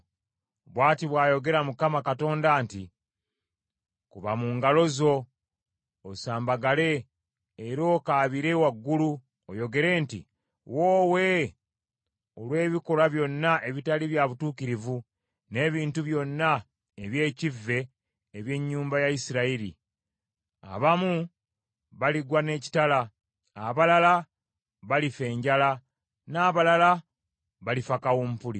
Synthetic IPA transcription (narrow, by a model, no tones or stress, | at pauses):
βwaːtiβwaːjo̞ɡe̞ɾamukamakato̞ːndaːnti | kuβamuŋɡalo̞zo̞ | osaːmbaɡale̞ː | ɾo̞ːkaːβiɾe̞waɡːulu | ojo̞ɡe̞ɾe̞ːntḭ | woːwe̞ | olwe̞ːβiko̞ɾaβjo̞nːaʔe̞βitaliβjaβutuːkiɾivu | ne̞ːβiːntuβjo̞nːa | eβje̞ːcivːe̞ː | βje̞ɲːuːmbajaisiɾaiɾḭ | a̰βamu | βaliɡwane̞ːci̥tala | aβalala | βalife̞ːɲɟala | naːβalala | βalifakawompulḭ